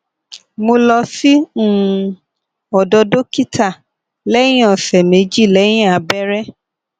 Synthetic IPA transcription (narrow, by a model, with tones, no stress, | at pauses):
mo˧lɔ˧si˦ũ˦˨˧ | ɔ˨dɔ˧do˦ki˦ta˦˨ | lɛ˦j̃ɔ̃˨sɛ˨mẽ˨˦d͡ʒi˦˨lɛ˨˦j̃ĩ˦˨a˨˦bɛ˦ɾɛ˦